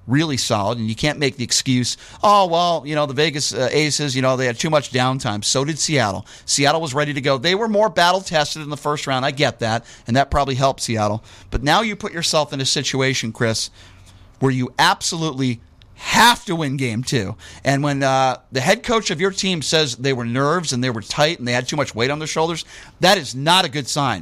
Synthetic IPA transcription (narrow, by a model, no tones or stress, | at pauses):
ɹɪlˠisɑ̰lˠəɾɨ̃n̩jɨkʰæ̃nmeɪk̚ðiɨkskjʉz̥ | owɛlˠjɨñoʊðəveɪɡɨsteɪsɨzjɨñoʊðeɪɨd̚tʰʉmʌt͡ʃd̥ãʊ̃ntʰãɪ̃msoʊɾɨd̥siæɾl̩ˠ | siæɾl̩ˠwʌzɹɛɾiɾɨɡoʊðeɪwə˞mɔɹbæɾl̩ˠtʰɛstɨɾn̩ðəfɜ˞st̚ɹãʊ̃ndaɪɡɛt̪̚ðæɾ̚ | ɨ̃nðɨt̚pʰɹ̥ɑbəbliɦɛlˠp̚tsiæɾl̩ˠ | b̥ʌtⁿnaʊjɨpʰʊt͡ʃə˞sɛlˠfɨ̃nɨsɪt͡ʃueɪʃɨ̃n̩kʰɹ̥ɪs | wə˞jɨæb̥səlutˡli | hæftəwɪ̃nɡẽɪ̃mtʰʉʔɨ̃nwə̃nðɨɦɛd̚kʰoʊt͡ʃʌvjə˞tʰĩmsɛzðeɪwə˞nɜ˞vzɨ̃nðeɪwə˞tʰaɪtn̩ðeɪɨd̚tʰʉmʌt͡ʃweɪɾn̩ðə˞ʃoʊlˠdə˞z | ðɨɾɨznəɾɨɡʊd̥sãɪ̃n